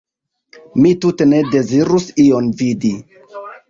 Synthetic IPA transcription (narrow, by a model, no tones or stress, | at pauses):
mitute̞ne̞de̞ziɾusio̞nvidi